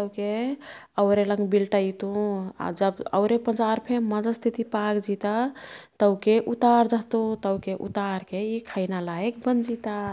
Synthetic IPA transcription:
t̪əkeəʊɾeləŋɡbilʈait̪ũa̰d͡ʒəbə̰ʊɾepənd͡ʒaɾpʰeməd͡ʒəst̪ʰit̪ipaɡd͡ʒit̪at̪əʊkeʔut̪aɾd͡ʒəɦt̪ut̪əwkeʔṵt̪aɾkeikʰajnalaek̚bənd͡ʒit̪a

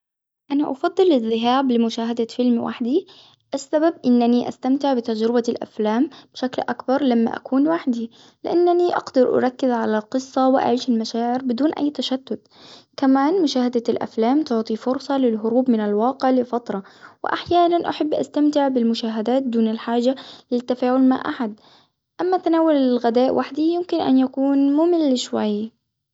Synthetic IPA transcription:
ʔanaʔɑfɑd̪ˤːɨlːɪðːɪɦaːblɪmʊʃaːɦad̪afɪlmwʔa̰ħd̪i | ʔasːababʔɪnːaniʔa̰st̪amt̪ɪʕbɪt̪ad͡ʒɾɪbalʔa̰flaːmb̥ʃaklʔakbɑɾˤlamːa̰ʔa̰kuːnwaħd̪i | lɪ̰ʔanːaniʔɑ̰ɡd̪ɑɾʔa̰ɾˤɑkːɪzʕalalqɨsˤːɑwɪʔa̰ʕiːʃɪlmaʃaːʕɪɾbɪd̪uːnʔa̰jːt̪aʃad̪̥ːʊd̪ | kamaːnmʊʃaːhad̪alʔa̰flaːmt̪ʊʕt̪ˤifʊɾsˤɑlɪlɦʊɾuːbmɪnalwɑːqɪʕlɪfɑt̪ɾˤɑwɪ̰ʔaħjaːnanʔaħabːʔa̰st̪amt̪ɪʕbɪlmʊʃaːɦad̪aːt̪̚d̪uːnɪlħaːʒalɪt̪ːafaːʕʊlma̰ʕʔaħad̪ | ʔamːat̪anaːwʊlɪlɣad̪aːʔwʔaħd̪ijɪmkɪnʔa̰njakuːnmuːmɪlːɪʃwa̰j

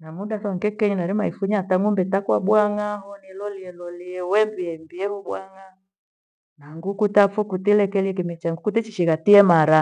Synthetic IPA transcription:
namuɗasɔŋkɛkɛɲinaɾimaifuɲataŋumbɛtakwaɓwaŋahɔnilɔliɛlɔliɛwɛmbiɛmbiɛhɔɓwaŋa | naŋɡukutafɔkutilɛkɛliɛkimɛt͡ʃaŋɡukutɛt͡ʃiʃiɣatiɛmaɾa

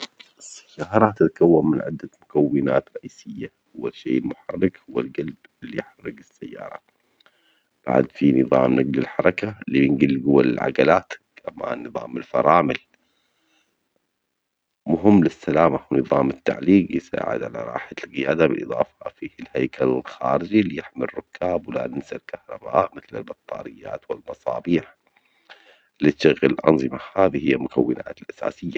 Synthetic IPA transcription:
ɪsːḁjːɑːɾˤɑt̪ɪt̪ḁkawːammɪnʕɪ̰d̪ːamʊkawːɪna̰ːt̪ɾˤɑʔiːsɪjːahʊwːaʃːḛːʔɪlmʊħɑrːɪkhʊwːalɡalb | ɪlːḭjħɑrːɪɡɪsːajːɑ̰ːɾˤɑ̰ | b̥a̰ʕ̰d̪finɨðˤɑːmnaɡlɪlħɑɾˤɑkalːibɪnɡɪlːɡʊwːalɪlʕa̰ɡalaːt̪ | ʔama̰ːnːɨðˤɑ̰ːmɪlfɑ̰ɾˤɑːmɪl | mʊɦɪmːlɪsːalaːmawnɨðˤɑːmɪt̪ːa̰ʕliːqjsa̰ːʕɪ̰d̪ʕala̰ɾˤɑ̰ːħalqɪjaːd̪abɪlʔɨðˤɑːfɑ̥fihlhajkʰalɪlxaːɾɪd͡ʒilːijɪħmɪrːʊkːaːbwɪla̰nɪnsalkahɾˤɑba̰ːʔmɪθlɪlbɑt̪ˤːɑ̰ːɾɪjːa̰ːt̪wɪlmɑsˤɑːbiːħ | liɪɣɪlʔɑ̰nðˤɨmahaːðihɪjːamʊkawːɪna̰ːt̪ɪlʔasa̰ːsɪjːa

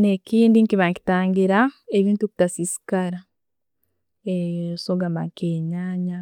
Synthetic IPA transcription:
nekiːndiŋkiβaŋki̥taːŋɡiɾaeβiːntuku̥tasisi̥kaɾa | esoɡamba̰ŋkeɲaːɲa

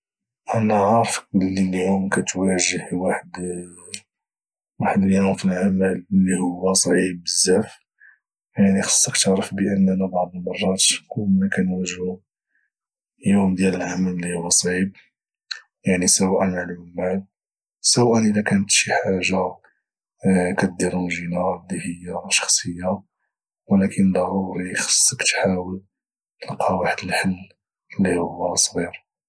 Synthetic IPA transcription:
ʔænaʕɑɾfklːiljumkæt̪wæʒəhwaħəd̪ | waħd̪ljæhʊfilʕaməllːihʊwːæsˤʕib̚ːəzːæf | jaʕnixɑ̥sˤːɑkt̪əʕɾəfbəʔənːænæbɑʕd̪ˤəlmɑrˤːɑt̪kʊlːmækænwæʒhu | jumd̪jæləlʕaməllihʊwːæsˤʕib̚ | jaʕnisəwæʔənʕlijmːaʕl | səwæʔənʔəd̪ækænət̪ʃiħaʒːa | kæt̪̚d̪iɾuʒinɑɾˤlːihəjːaʃɑ̥xsˤəjːa | wəlækʰənlæhuixə̥sˤːkt̪ħawəl | əlqɑwaħt̪əlħəlː | əlːihʊwːæsˤɣiɾ

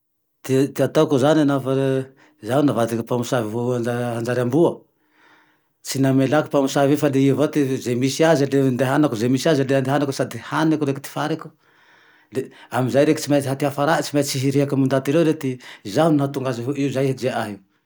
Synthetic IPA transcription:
t̪it̪iat̪akuzanianafa | zawnavad̪ikipamusaviɦuaaɦand͡ʒaɾambuə | t͡sinamelaku̥pamusavefaleivat̪izemisiazilend̪eɦanakuzemisiazileand̪eɦanakusad̪ihanakuɾekit̪i̥faɾeku̥ | leamizajɾeki̥t͡simaɦat̪iafaɾat͡simat͡siɦiɾiakamund̪at̪iɾewɾet̪izaunat̪uŋɡaziɦuiuzajɦd͡ʒeʔaɦi

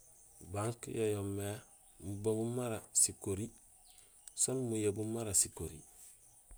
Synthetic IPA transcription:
baŋkjojomːe | muboɡumaɾasikoɾi | sonmujebumaɾasikoɾḭ

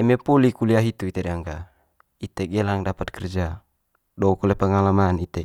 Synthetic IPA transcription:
ɛmɛpɔlikuliaɦit̪uit̪edaŋɡa | it̪eɡɛlaŋdapat̪̚kɛrd͡ʒa | dɔukɔlepəŋalamanit̪e

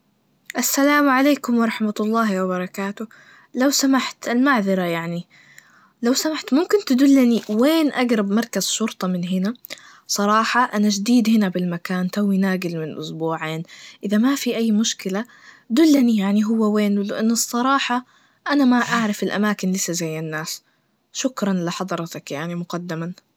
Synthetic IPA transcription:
ʔasːalaːmʕaleːkʊmwɑɾˤɑħmatlˤːɑːhwɪbɑɾˤɑkaːt̪ʊ | lawsamaħt̪almaʕðɑɾˤajaʕni | lawsamaħt̪mʊmkɪnt̪ɪd̪ulːaniweːnʔaɡɾˤɑbmɑɾˤkaz̥ʃʊɾt̪ˤɑmɪnɦɪna | sˤɑɾˤɑːħɑʔanad͡ʒd̪iːd̪hɪnabɪlmakaːnt̪awːinaːɡɪlmɪnlʔʊsbuːʕeːnʔɪðamafiʔajːmʊʃkɪla | d̪ʊlːanijaʕniɦʊwːaweːnlɪʔanːɨsˤːɑɾˤɑːħɑ | ʔanamaʔaʕɾˤɪfɪlʔa̰maːkɪnlɪsːazajːɪnːaːs | ʃʊkɾˤɑnlɪħɑd̪ˤɑɾˤɑt̪akjaʕnimʊqɑd̪ːɪma

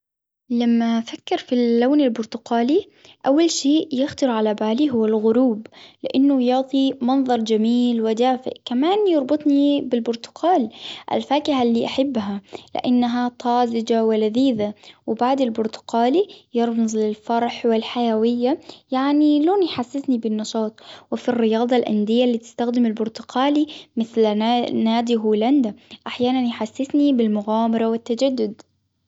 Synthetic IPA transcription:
lamːafakːɪɾfilːaːnɪlbʊɾt̪ʊqaːli | ʔawːalʃeːʔjɪxt̪ɑɾʕalabaːliɦʊwːalɣʊɾuːblɪʔanːʊjɑʕt̪ˤimɑnðˤɑɾˤd͡ʒamiːlwɪd̪aːfɪ̰ʔkamaːnjɑɾˤbɨt̪ˤnibɪlbʊɾt̪ʊ̥qʰaːlʔa̰lfaːkɪhalːiːʔaħɪbːɦalɪ̰ʔanːaɦat̪ˤɑːzɪd͡ʒawɪlaðiːðawɪbaʕd̪ɪlbʊɾt̪ʊ̥qaːlijɑɾˤbzlɪlfɑɾˤħwɪlħajawɪjːajaʕniloːnjħasːɪsnibɪnːɑʃɑːt̪ˤwɪfirːɪjɑːd̪ˤɑlʔa̰nd̪ɪjːalːiːt̪ɪ̥st̪axd̪ɪmɪlbʊɾt̪ʊqaːlimɪθlnaːd̪iɦuːland̪aʔaħjaːnanjħasːɪsnibɪlmʊɣaːmɑɾˤɑwɪt̪ːad͡ʒad̪ːʊd̪

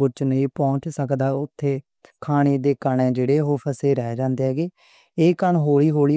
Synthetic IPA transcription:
ʊt͡ʃnəĩːpɔ̃ːɲt͡ʃsəkd̪aːʊt̪ʰːeː | kʰaːɽ̃eːd̪eːkəɳẽːd͡ʒeːɽeːɦoːpʰəseːɾɛːd͡ʒãːnd̪eːɦɛːɡeː | eːkənɦoːɭiːɦoːɭiː

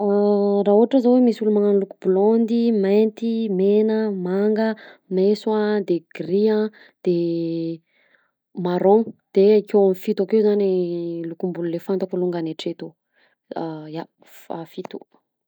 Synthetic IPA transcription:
raɦuɦaʈ͡ʂəzowemisulumaŋanlukubulɔnd̪imant̪imenəmaŋɡəmeswad̪eɡ̥riã | d̪̥e | maɾɔ̃nd̪̥eakewamifit̪akezanilukumbululefant̪akuluŋɡaneʈ͡ʂet̪o | ja | fafit̪u̥̰

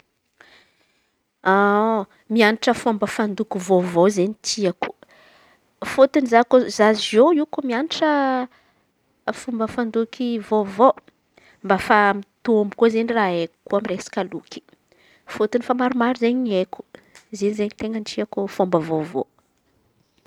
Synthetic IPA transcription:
a | mianiʈ͡ʂəfombəfand̪ukʲivovozeɲit̪iaku̥ | fot̪inizakozazoiwkumianiʈ͡ʂə | fumbəfand̪ukʲivovo | mbafamit̪uombukuzeniraekkuamiresḁkʲalukʲi̥ | fot̪inifamaɾumaɾuzeɲeku̥ | zenzeɲit̪eŋɡənʈ͡ʂiakufombəvovo̰

